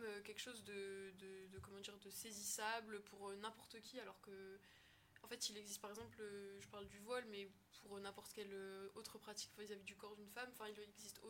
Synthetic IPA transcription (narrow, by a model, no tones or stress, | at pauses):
møkʲɛlkʃozd̪əd̪əd̪əkɔmɑ̃d̪iʁd̪əsezisabləpʰuʁønɛ̃pɔʁt̪əkʲialɔʁkə | ɑ̃fɛt̪ilɛɡzist̪paʁɛɡzɑ̃pløʒəpaʁld̪yvwɔlmɛ | pʰuʁnɛ̃pɔʁt̪kʲɛløot̪χəpχat̪i̥kvizavid̪ykɔʁd̪ynfamɑ̃fɛ̃ilɛɡzist̪o